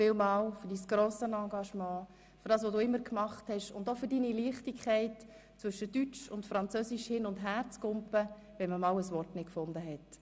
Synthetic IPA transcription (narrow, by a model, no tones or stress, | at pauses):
fɪwmɑːwfʏɾdisɡ̥ɾoːsənɑɡɑʃmɑ̃ː | fʏɾd̥ɑːsʋoduːɪmːəɾkmɑχthɛʃʊ̰ndofʏɾdiniliːχtikʰɛɪt | t͡svʏʃədyt͡ʃʊntfɾɑnt͡søsiʃhɪnʊndɦæːɾt͡skʊmpə | vɛnməmɑːwəsʋɔrtnɪt̚kfʊndəɦɛt